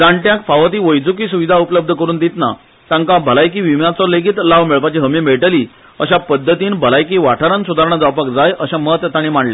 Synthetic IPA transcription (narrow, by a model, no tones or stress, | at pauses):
d͡zaɳʈjakfaʋət̪̬iːʋəjd͡zukiːsuʋid̪ʱaupləb̚d̪ʱəkəɾuːnd̪it̪na̰ | t̪ãŋkabʱəlajk̬iːʋimjat͡sɔleɡit̪laʋmeɭpat͡ɕiɦəmimeɭʈəliː | əɕapəd̪ʱːət̪iːnbʱəlajkiːʋaʈʰaɾansud̪ʱaɾɳ̃ad͡zawpəkd͡zajʔəɕamət̪jat̪aɽ̃imaɳla